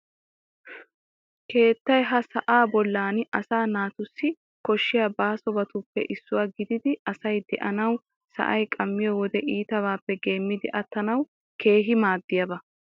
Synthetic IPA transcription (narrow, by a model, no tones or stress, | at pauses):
ke̞ːt̪ːɐjɦɐsɐʔaːbɔlːaːnɐsaːnaːt̪ʊsːɪ | kɔʃːɪjaːbaːsɔbɐt̪ʊpːɛ̰ʔɪsːʊwaːɡɪd̪ɪd̪ɪɐsɐjd̪ɛ̰ʔɐnɐw | sɐ̰ʔɐjkʼɐmːɪjɔwɔd̪ɛʔiːt̪ɐβaːpːɛɡe̞ːmːɪd̪ɪʔɐt̪ːɐnɐw | ke̞ːɦɪmaːd̪ːɪjɐbɐ